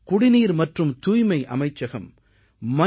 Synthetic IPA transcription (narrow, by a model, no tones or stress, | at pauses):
kʊɽɪniːɾmɐʈrɯmt̪uːjmɐɪʔɐmɐɪt͡ʃːɐɣɐmː | ɐ